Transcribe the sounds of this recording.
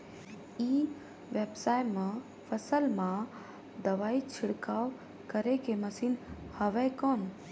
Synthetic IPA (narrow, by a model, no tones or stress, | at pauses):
i | ʋebsajmẽ | pʰəsəlmã | d̪əʋaːit͡ʃʰɪɽkaːw | kəɾekeməsiːnhəʋɛjkɔn